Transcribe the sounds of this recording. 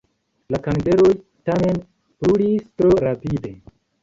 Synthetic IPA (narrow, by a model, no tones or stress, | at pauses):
lakandeɾoj | tame̞n | pɾuɽistɾoɾapide